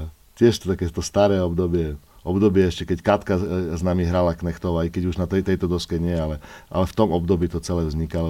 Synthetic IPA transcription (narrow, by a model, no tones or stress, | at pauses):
c̪ɪɛʃt̪t̪akɛt̪ɔst̪aɾɛːɔbd̪ɔbɪɛʔɔbd̪ɔbɪɛɛʃcɛkɛckɾat̪kaznamiɦɾalaknɛxt̪ɔʋaikɛɟuʒnat̪ɛt̪ɛjt̪ɔd̪ɔskɛɲɪɛalɛʔa̰lɛft̪ɔmɔbd̪ɔbiːt̪ɔt͡sɛlɛːvzɲikalɔ